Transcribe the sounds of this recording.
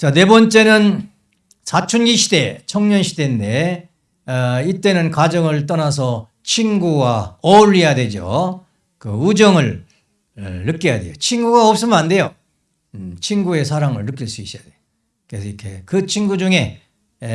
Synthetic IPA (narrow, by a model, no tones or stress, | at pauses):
t͡ɕane̞bʌnt͡ɕ͈e̞nɯn | sʰat͡ɕʰunɡiɕʰide̞t͡ɕʰʌŋɲʌnɕʰide̞nde̞ | it͈e̞nɯnkwad͡ʑʌŋɯɭt̬͈ʌnasʰʌ | t͡ɕʰinɡuwaʌuɭːijadwe̞d͡ʑo̰ | kɯud͡ʑʌŋɯɭ | ɯk͈eja̰dwe̞̰jot͡ɕʰinɡuɡaʌp̚s͈ɯmɯnande̞jo | t͡ɕʰinɡue̞sʰaɾaŋɯɭːɯk͈iɭs͈uis͈jadwejo | kesʰʌikʰḛkɯt͡ɕʰinɡud͡ʑuŋe̞